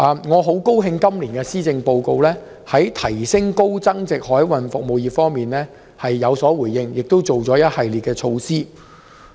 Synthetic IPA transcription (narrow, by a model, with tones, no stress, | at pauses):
ʔaː˨˧mŋɔː˨˧ɦo˨˥wko˥wɦɪ˧ŋkɐ˥mliː˨˩nkɛː˧siː˥t͡sɪ˧ŋpo˧wko˧wlɛː˥ | hɐ˨˥jt̪ʰɐ˨˩jsɪ˥ŋko˥wt͡sɐ˥ŋt͡sɪ˨k̚hɔː˨˥jwɐ˨nfʊ˨k̚mo˨wjiː˨fɔː˥ŋmiː˨nlɛː˥ | hɐ˨jːɐ˨˧wsɔː˨˥wuː˨˩jɪ˧ŋjɪ˨k̚t̪o˥wt͡so˨wt͡sɔː˨˥jɐ˥t̚hɐ˨jliː˨t̚kɛː˧t͡ʃʰo˧wsiː˥